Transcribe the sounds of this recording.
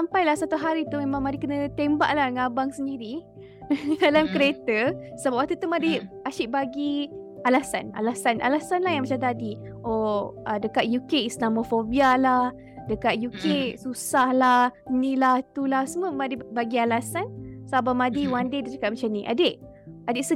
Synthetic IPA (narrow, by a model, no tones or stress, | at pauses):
sampajlahsat̪uɦaɾit̪umemãŋmadikənət̪emba̰ʔlahŋabaŋsəndiɾi | dalamkəɾet̪əsəbaʔpwak̚t̪ut̪umadiaʃiʔbaɡi | alasa̰na̰lasanʔa̰lasanlahjaŋmat͡ʃamt̪adi | oədəkat̪̚jukeislamofobialah | dəkat̪̚jukesusahlahnilat̪ulahsəməmadibaɡialasansabamadiwandedadəkat̪̚mat͡ʃamniʔa̰deʔadeʔsə